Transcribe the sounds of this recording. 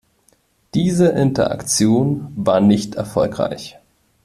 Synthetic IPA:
d̥iːzəʔɪntɐ̰ʔa̰kt͡sjoːnvaːɐnɪçtɛɐfɔlkʁ̥a̰ɪç

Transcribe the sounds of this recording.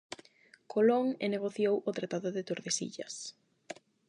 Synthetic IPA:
kʰoloŋeneɣ̞oθjowʊt̪ɾat̪aðʊðet̪oɾðesḭʎɐ̰s

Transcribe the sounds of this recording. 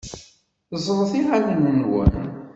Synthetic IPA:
zˤɾˤθiʁalənənwə̰n

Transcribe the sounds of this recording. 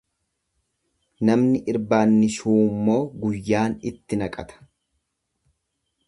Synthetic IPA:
nɐmnɪʔɪɾbaːnːɪʃuːmːo̞ːɡʊjːaːnɪt̪ːɪnɐkʼɐ̰t̪ʰɐ̥

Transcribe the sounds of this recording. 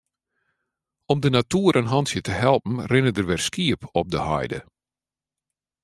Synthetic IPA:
ɔmdənatuːəɾʔənɦɑnsjətəhɛlˠpn̩rɪnədərʋɪrskiəpʰɔp̚dəhɔ̰jdə̰

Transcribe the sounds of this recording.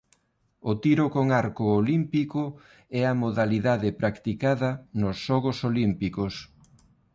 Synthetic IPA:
ʊt̪iɾʊkoŋaɾkʊːlimpikʊ | ɛɐmoðaliðaðɪpɾʔakt̪ikaðɐnʊsʃɔɣʊsolimpikos

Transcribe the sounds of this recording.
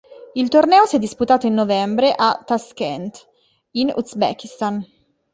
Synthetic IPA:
ilt̪ornɛːosijɛd̪ːisput̪aːt̪oinːovɛmbɾeʔat̪ːaskɛnt̪ | inṵzbɛ̰k̟ist̪an

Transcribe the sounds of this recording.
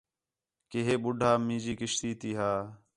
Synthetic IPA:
keːɦeːɓʊɖʱaːmĩːd͡ʒiːkɪʃt̪iːt̪iːɦaː

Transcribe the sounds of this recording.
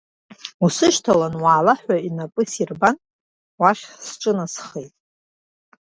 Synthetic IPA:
usɨʃtʰalanwaːlaħʷᶣainapʼɨsirban | waʃʲsʈ͡ʂʼɨnasχejtʼ

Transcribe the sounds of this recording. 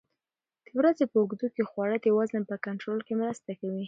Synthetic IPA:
d̪̥əwɾazepəʊɡd̪ukexwɑɽət̪jawɑznapəkaɳʈɾolkemɾast̪akawi

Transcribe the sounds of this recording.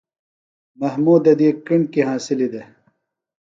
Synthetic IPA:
mɐhmuːd̪ɐd̪ikiɳkiɦãːsilid̪e

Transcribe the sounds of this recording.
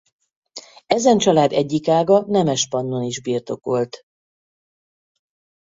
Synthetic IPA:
ɛzɛnt͡ʃɒlaːd̪ɛɟːikaːɡɒnɛmɛʃpɒnːo̞niʒbiːrt̪o̞ko̞lt̪

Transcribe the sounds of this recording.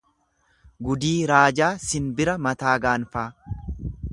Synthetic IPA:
ɡʊd̪iːɾaːd͡ʒaːsɪnbɪɾɐmɐt̪aːɡaːnfaː

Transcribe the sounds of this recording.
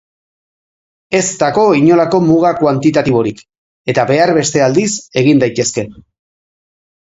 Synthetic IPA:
e̞st̪ako̞iɲo̞lako̞muɣ̞akwant̪it̪at̪iβo̞ɾik | e̞t̪aβe̞arβe̞st̪e̞ald̪ise̞ɣind̪ajt̪e̞ske̞

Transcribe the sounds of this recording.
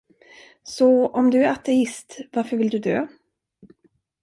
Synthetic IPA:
sɔɔmd̪ɵæɾat̪ɛɪst̪vaɾfœɾvɪld̪ɵd̪ø̰ː

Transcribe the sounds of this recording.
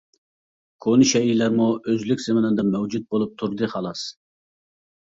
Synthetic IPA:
kʰonɨʃɛilæɾmuøzlykʲz̥ɪmɪnɨd̪ɑmɛwd͡ʒut̪̚bolˠup̚t̪ʰuɾd̪ɨχɑlˠɑs

